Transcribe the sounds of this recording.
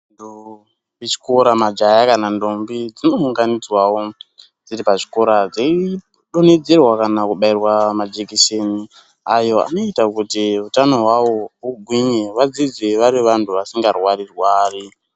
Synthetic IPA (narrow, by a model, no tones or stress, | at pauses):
ntu | et͡ʃi̥koɾamad͡ʒajakanando̞mbid͡zino̞uŋɡanid͡zwawo̞ | d͡ziripaʐiko̞ɾad͡zei | ɗo̞ned͡zerwakanakuɓairwamad͡ʒekeʃeni | ajo̞a̰no̞itakutiutano̞ɦwawo̞uɡʱwiɲeʋad͡zid͡zeʋaɾiʋantʰuʋasiŋɡarwarirwaːri